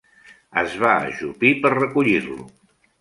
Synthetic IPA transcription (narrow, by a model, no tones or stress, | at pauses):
əzβaə̰ʒupipəɾrəkuʎiɾlṵ